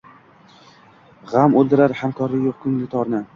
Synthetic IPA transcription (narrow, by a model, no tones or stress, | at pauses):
ʁamolˠd̪ɪɾaɾhamkʰɒɾlɪjoq̚kʰʊŋlɪt̪ʰɒɾnɪ